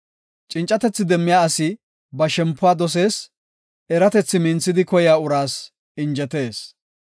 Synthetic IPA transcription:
t͡ʃʼɪnt͡ʃʼːɐt̪ɛt͡sːɪd̪ɛmːɪjaːɐsɪ | bɐʃɛmpːʊwaːd̪ɔs̬e̞ːs | ɛɾɐt̪ɛt͡sːɪmɪnt͡sːɪd̪ɪkɔjɪjaːʊɾaːs | ɪnd͡ʒɛt̪e̞ːs

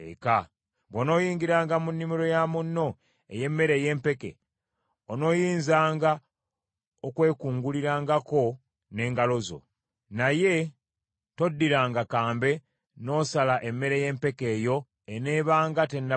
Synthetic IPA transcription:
ḛka | βwono̞ːjiːŋɡiɾaːŋɡamunːimiɾo̞jamunːo̞ | ḛje̞mːe̞ɾe̞je̞ːmpe̞ke̞̰ | ono̞ːjiːnzaːŋɡa | okwe̞ːkuːŋɡuliɾaːŋɡako̞ | ne̞ːŋɡalo̞zo̞̰ | naje̞ | to̞dːiɾaːŋɡakaːmbe̞ | no̞ːsalaʔe̞mːe̞ɾe̞je̞ːmpe̞ke̞ːjo̞ | ene̞ːβaːŋɡatenːa

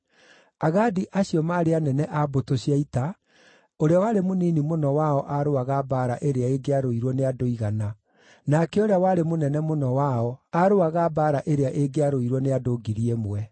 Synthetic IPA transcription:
aɣadiʔaɕiɔmaːɾeanɛnɛʔabotoɕiaita | oɾeawaɾemoniːnimonɔwaɔʔaɾoaɣabaːɾaʔeɾeaeɡeaɾoiɾwɔneadoiɣana | nakɛoɾeawaɾemonɛnɛmonɔwaɔaɾoaɣabaːɾaʔeɾeaʔeɡeaɾoiɾwɔneadoɡiɾiɛmwɛ

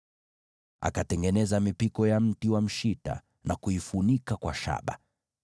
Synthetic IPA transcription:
a̰katɛŋɡɛnɛzamipikɔjam̩tiwam̩ʃita̰ | nʔakuifunikakwa̰ʃa̰ɓa̰

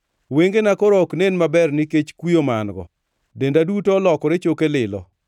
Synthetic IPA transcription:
weŋɡenakɔɾɔknenmabɛrnɪket͡ʃkwijomanɡɔ̰ | dendadutolɔkɔɾet͡ʃokelɪlɔ̰

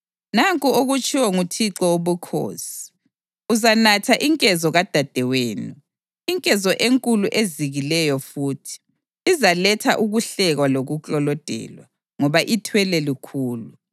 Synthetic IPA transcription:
naŋkʼuoɣut͡ʃʼʰiwɔŋutʰiǁɔoβukʰo̰ːsi̥ | uzanatʰaʔiŋkʼɛzɔɣad̥ʱad̥ʱɛweːnu | iŋkʼɛzɔʔeŋkʼuluʔeziɣilɛjɔfuːtʰi̥ː | zalɛtʰa̰ʔuɣuɬɛɣwaloɣut͡ɬʼɔlɔd̥ʱɛ̰ːlwa̰ | ŋɔβaʔitʰwɛlɛlikʰuːlu

